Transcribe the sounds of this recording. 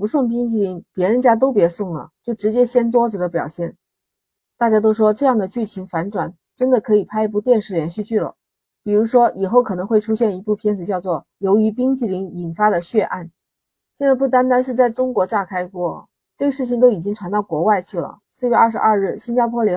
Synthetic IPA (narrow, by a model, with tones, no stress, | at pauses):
pu˧˥sʊ˥˩ŋp̬i˥ŋt͡ɕi˥˩li˧˥ŋpjɛ˧˥ɻə˧˥nt͡ɕja˥t̪̬o˥ʊpjɛ˧˥sʊ˥˩ŋlə̰˩t͡ɕjo˥˩ʊʈ͡ʂɻ̩˧˥t͡ɕjɛ˥ɕjɛ˥nt̪wɔ˥d͡zɹ̩˧˩d̪ə˩˦pjɑ˨˩ʊɕjɛ˥˩n | t̪a˥˩t͡ɕja˥t̪̬o˥ʊʂwɔ˥ʈ͡ʂɤ˥˧jɑ˥˩ŋd̪ə˩t͡ɕy˥˩t͡ɕʰi˧˥ŋfa˧˥nʈ͡ʂwa˨˩˦n | ʈ͡ʂə˥nd̪ə˨kʰɤ˧˥i˨˩pʰa˥ɪp̬u˥˧t̪jɛ˥˧nʂɻ̩˥˩ljɛ˧˥nɕy˥˧t͡ɕy˥˩lə̰˩ | pi˨˩ɻu˧˥ʂwɔ˥i˨˩xo˥˩ʊkʰɤ˨˩nɤ˧˥ŋxwe˥˩ɪʈ͡ʂʰu˥ɕjɛ˥˩ni˧˥pu˥˩pʰjɛ˥nd͡zɹ̩˨˩t͡ɕjɑ˥˧ʊt͡swɔ˥˩ | jo˧˥ʊy˧˥pi˥ŋt͡ɕi˥˩li˧˥ŋi˨˩nfa˥d̪ə˨ɕɥɛ˥˧ʔa̰˥˩n | ɕjɛ˥˧nt͡sa˥˧ɪpu˥˩t̪̬a˥nt̪̬a˥nʂɻ̩˥˧t͡sa˥˩ɪʈ͡ʂʊ˥ŋkwɔ˧˥ʈ͡ʂa˥˩kʰa˥ɪkwɔ˥˩ | ʈ͡ʂɤ˥˩ɡə˩ʂɻ̩˥˩t͡ɕʰi˧˩ŋt̪̬o˥ʊi˨˩t͡ɕi˥ŋʈ͡ʂʰwa˧˥nt̪ɑ˥˩ʊkwɔ˧˥wa˥˧ɪt͡ɕʰy˥˩lə̰˩sɹ̩˥˧ɥɛ˥˧ʔɐ˥˩ʂɻ̩˧˥ɐ˥˧ɻ̩˥˩ɕi˥nt͡ɕja˥pʰwɔ˥ljɛ˧˥